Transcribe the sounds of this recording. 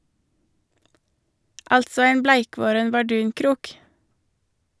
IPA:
ˈɑltsɔ ˈæɪm ˈblæɪˌkʋoːɾən bɑˈɖʉːŋˌkɾuːk

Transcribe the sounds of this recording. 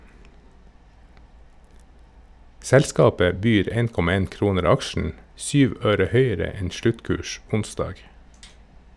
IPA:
ˈsɛlskɑːpə ˈbyːɾ ˈeːn ˈkɔmɑ ˈeːn ˈkɾuːnəɾ ˈɑkʃn̩ ˈsyːʋ ˈøːɾə ˈhœʏəɾə ˈɛn ˈʃlʉtˌkʉːʃ ˈʊnsdɑːɡ

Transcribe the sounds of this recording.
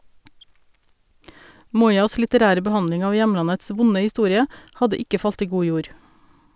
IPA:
ˈmuːˌyːɑs lɪtəˈɾæːɾə bəˈhɑnlɪŋ ˈɑː ˈjɛmlɑnəts ˈʋʊnə hɪˈstuːɾɪə ˈhɑdə ˈɪkə ˈfɑlt ˈiː ˈɡuː ˈjuːɾ

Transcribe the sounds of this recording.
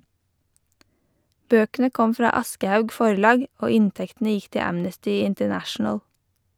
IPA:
ˈbøːkənə ˈkɔm ˈfɾɑː ˈɑskəhɑʉɡ ˈfɔɾlɑːɡ ˈoː ˈɪntɛktn̩ə ˈjɪk ˈtɪ ˈæmnəstʏ ɪntəˈnæʃn̩əl

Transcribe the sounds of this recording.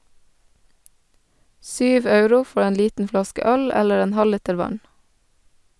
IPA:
ˈsyːʋ ˈɑʉɾʊ ˈfɔ ˈeːn ˈliːtn̩ ˈflɑskə ˈœl ˈɛləɾ ˈeːn ˈhɑliːtəɾ ˈʋɑn

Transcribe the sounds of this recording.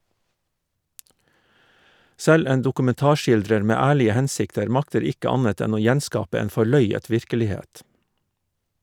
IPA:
ˈsɛl ˈeːn dʊkʉmɛnˈtɑːˌʃɪldɾəɾ ˈmeː ˈæːɭɪə ˈhɛnsɪktəɾ ˈmɑktəɾ ˈɪkə ˈɑnət ˈɛn ˈoː ˈjɛnˌskɑːpə ˈeːn fɔˈɭœʏət ˈʋɪɾkəlɪˌheːt

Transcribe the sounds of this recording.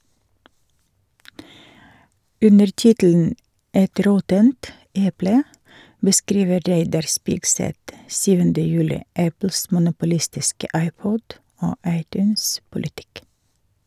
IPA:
ˈʉnəɾ ˈtɪtl̩n̩ ˈɛt ˈɾɔtənt ˈɛplə bəˈskɾiːʋə ˈɾeɪdɑɾ ˈspɪksɛt ˈsyːʋəndə ˈjʉːlɪ ˈæpl̩s mʊnʊpʊˈlɪstɪskə ˈɑɪˌpɔd ˈoː ˈɑɪˌtjʉːnspʊlɪˌtɪk

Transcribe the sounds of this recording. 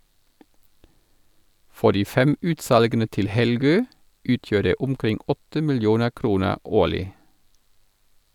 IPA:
ˈfɔ ˈdiː ˈfɛm ˈʉːtˌsɑlɡənə ˈtɪl ˈhɛlˌɡøː ˈʉːtjøː ˈdeː ˈʊmˌkʁɪŋ ˈɔtə mɪlˈjuːnə ˈkɾuːnə ˈoːlɪ

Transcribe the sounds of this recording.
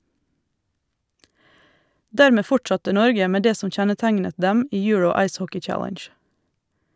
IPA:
ˈdæːɾmeː ˈfʊʈsɑtə ˈnɔɾɡə ˈmeː ˈdeː ˈsɔm ˈçɛnəˌtæɪnə ˈdɛm ˈiː ˈjʉɹəʊ ˈɑɪs ˈhɔkɪ ˈt͡ʃælənʃ

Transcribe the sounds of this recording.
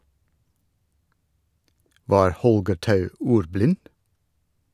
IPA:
ˈʋɑːɾ ˈhɔlɡəɾ ˈtɑʉ ˈuːɾˌblɪn

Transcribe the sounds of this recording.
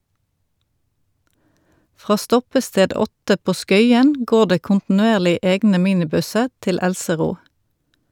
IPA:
ˈfʁɑː ˈstɔpəˌsteːd ˈɔtə ˈpoː ˈskœʏən ˈɡoːʁ ˈdeː kʊntn̩ʉˈeːʁlɪ ˈeːɡnə ˈmiːnɪˌbʉsə ˈtɪl ˈælsəˌʁuː

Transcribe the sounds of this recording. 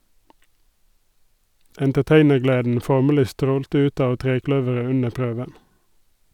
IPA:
ɛntəˈteɪnəʁˌɡleːdn̩ ˈfɔʁməlɪ ˈstɾoːltə ˈʉːt ˈɑːʋ ˈtʁeːˌklœʋəʁə ˈʉnə ˈpɾøːʋən

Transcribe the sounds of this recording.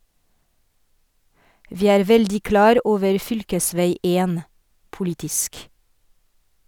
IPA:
ˈʋiː ˈæːɾ ˈʋɛldɪ ˈklɑːɾ ˈʔoːʋəɹ ˈfʏlkəˌsʋæɪ ˈeːn pʊˈlɪtɪsk

